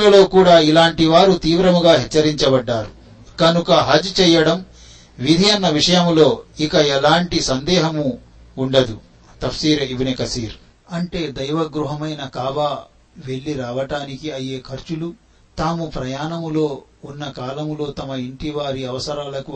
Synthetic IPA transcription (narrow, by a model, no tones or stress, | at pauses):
ɐlo̞ːkuːɽaːilaːɳʈiʋaːɾut̪iːʋɾɐmuɡaːɦɛt͡ʃːɐɾiɲt͡ʃɐbɐɖːaːɾu | kɐnukɐɦɐd͡ʒt͡ʃɛːjɐɽɐm | ʋid̪ʱiɐnːɐʋiʂɐjɐmlo̞ːikɐɛlaːɳʈisɐnd̪ɛːɦɐmuː | ɳɖɐd̪u | t̪ɐfsiːɾeibinikɐsiːɾ | ɐɳʈe̞ːd̪ɐjʋɐɡɾuɦɐmɐjnɐkaːʋa | ʋe̞ɭːiɾaːʋɐʈaːnikiɐje̞ːkʰɐɾt͡ʃulu | t̪aːmupɾɐjaːnɐmlo̞ːunːɐkaːlɐmlo̞ːt̪ɐmɐiɳʈiʋaːɾiɐʋɐsɐɾaːlɐku